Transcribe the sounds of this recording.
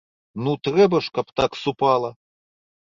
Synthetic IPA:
nut̪ɾɛbɐʂkɐpt̪aksupalˠɐ

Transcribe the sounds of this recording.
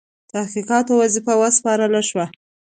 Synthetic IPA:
t̪ahqiqɑt̪owazifawaspɑɾəlaʃwa

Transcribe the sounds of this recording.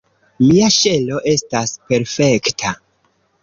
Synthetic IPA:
miaʃe̞lo̞ʔe̞staspe̞ɾfe̞ktʰa

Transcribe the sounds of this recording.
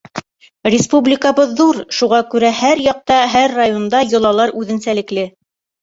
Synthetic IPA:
rʲɪspublʲɪkəβɤðːuɾʃuʁɑkʉɾæhæɾjɑq̚t̪ɑɦæɾːajond̪ɑjŏlˠɑlˠɑɾʉðɘ̆nsælɘ̆klɘ

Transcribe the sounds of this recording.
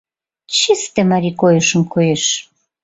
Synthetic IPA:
t͡ɕist̪ĕmaɾikojə̆ʃə̆mkojeʃ

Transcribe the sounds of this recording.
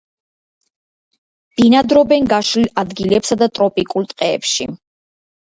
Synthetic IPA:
d̪̥inad̪ɾɔbɛnɡaʃlilad̪ɡilɛpsad̪at̪ʼɾɔpʼikʼult̪ʼqʼɛ̰ːpʃḭ

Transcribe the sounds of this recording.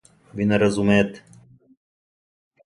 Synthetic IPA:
vinɐɾɐzumeːt̪

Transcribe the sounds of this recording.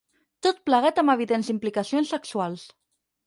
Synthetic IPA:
t̪ot̪̚pləɣat̪əməβ̞iðenzimplikasionsːəksualˠs

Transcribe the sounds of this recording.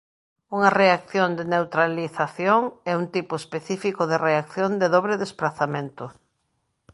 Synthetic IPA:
uŋɐreakθjond̪enewt̪ɾaliθaθjoŋɛunt̪ipʊespeθifikʊðɪreakθjond̪eðɔβɾeðespɾaθamẽnt̪ʊ

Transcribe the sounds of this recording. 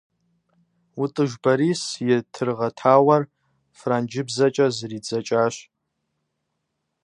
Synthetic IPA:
utʼɨʒbaɾisjɛtʰɨrʁatʰaːwɐr | frand͡ʒɪbzat͡ʃʼɐzrid͡zat͡ʃʼaʃʷ

